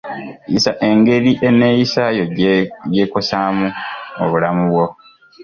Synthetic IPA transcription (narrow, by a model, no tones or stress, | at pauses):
jḭsaʔe̞ŋɡe̞ɾiʔe̞neːjisajoje̞ːkosaːmuoβulamuβwo̞